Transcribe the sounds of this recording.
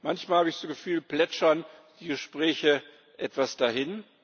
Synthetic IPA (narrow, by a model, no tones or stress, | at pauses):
mançmaːlhabəɪçz̥oːɡəfyːlplɛt͡ʃɐnd̥iːɡəʃpʁ̥ɛːçə | ʔɛtv̥asd̥ahɪn